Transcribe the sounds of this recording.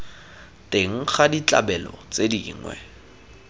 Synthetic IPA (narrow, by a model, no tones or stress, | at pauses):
teŋ̩χadit͡ɬʼa̰bɛlɔ̰t͡sedḭːŋwɛ̰